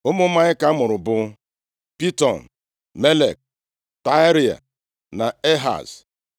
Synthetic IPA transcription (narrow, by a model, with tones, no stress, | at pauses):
ʊ˦mʊ˦ma˦ɲɪ˦ka˦mʊ˨ɾʊ˨bʊ˨˦ | pi˦tɔ˨n̩˨ | me˦le˨k̚ | ta˦ɾi˨a̰˨ | na˨e˦ɦa̰˨s